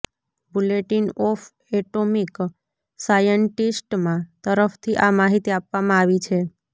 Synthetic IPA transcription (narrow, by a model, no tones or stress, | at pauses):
buleʈinɔf | ɛʈomik | sajəɳʈisʈmãt̪əɾəft̪ʰiʔamaɦit̪iapʋamãaʋit͡ʃʰe